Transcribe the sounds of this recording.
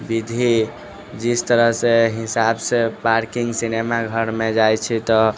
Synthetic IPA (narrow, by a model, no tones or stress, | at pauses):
bid̪ʱi | d͡ʒist̪əɾəɦseɦisabsepaɾkiŋɡsinemaɡʱəɾmed͡ʒajt͡ʃʰit̪ɔ